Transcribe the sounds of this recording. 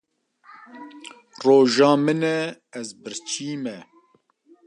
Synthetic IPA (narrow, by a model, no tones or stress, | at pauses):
roːʒɑːmɨnɛː | zbɨɾt͡ʃʰiːmɛ